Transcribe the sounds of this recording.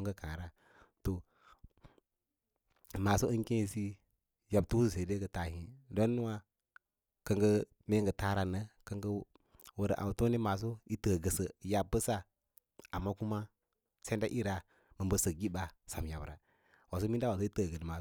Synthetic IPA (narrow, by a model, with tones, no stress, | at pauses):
ŋɡə˦kã˨ɾa˦ | to˨ | ma˨so˦ə˦ŋ˦kẽ˦˨si˦ | ja˨b̚tu˦su˨se˨de˦ɡə˨ta˨hi˨do˦nːu˦wa˦ | kə˦ŋɡə˦ | me˦ŋɡə˨ta˦ɾa˨nə˦kə˦ŋɡə˦ | wə˨ɾə̰˨ʔa̰˨wto˦ne˦ma˨s̬o˦i˦təː˨ɡə˨sə˨ja˨bə˦sa˦ | a˨mːa˦ku˦ma˦ | se˦nda˦ʔi˦ɾa˨ | mə˨bə˦sə˨ɡi˦ba˨sa˨m˨ja˨bɾa̰˨ | wa˨s̬o˦mi˦n˦da˦wa˨s̬i˦tə˦˨ɡə˨dma˨